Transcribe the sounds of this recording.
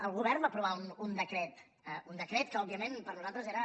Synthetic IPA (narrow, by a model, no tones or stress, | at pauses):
əlˠɣuβ̞ɛɾbapɾuβ̞aunund̪əkɾɛt̪ | əund̪əkɾet̪̚kəɔbiəmẽnpəɾnuzalˠt̪ɾəzeɾə